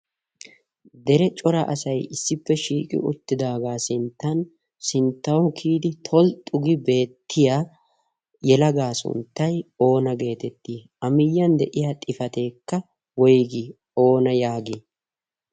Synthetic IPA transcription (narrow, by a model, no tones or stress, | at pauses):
d̪ɛɾɛt͡ʃʼɔɾɐ̰ʔɐsɐjɪsːɪpːɛʃiːkʼɪ̰ʔʊ̰t̪ːɪd̪aːɡaːsɪnt̪ːɐn | sɪnt̪ːɐwkʰiːd̪ɪt̪ʰɔlt̪ʼʊɡɪbe̞ːt̪ʰːɪjaː | jɛlɐɡaːsʊ̰nt̪ːɐjo̞ːnɐɡe̞ːt̪ɛt̪ːiːʔɐmɪjːɐnd̪ɛʔɪjaːt̪ʼɪfɐt̪e̞ːkːɐ | wɔjɡi | o̞ːnɐjaːɡɪ